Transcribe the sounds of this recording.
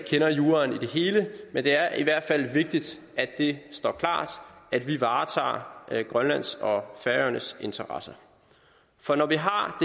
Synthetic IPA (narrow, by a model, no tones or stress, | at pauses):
kʰenɐjuːɐnid̥e̝ɦe̝ːləmend̥e̝æɐʔiʋæɐ̰d̥fæl̰ʋe̝ɡ̥̚d̥id̥ | æd̥e̝sd̥ɒ̰ːkʰlɑ̰̈ːd̥ʔæd̥ʋiʋɑ̈ːt͡sʰɑ̰̈ːɡ̥ʁɶnlæn̰sɒ̽fæɐøɐnəse̝nt͡sʰɐʁɑsɐ | fɒ̽nɒʋiɦɑ̈d̥e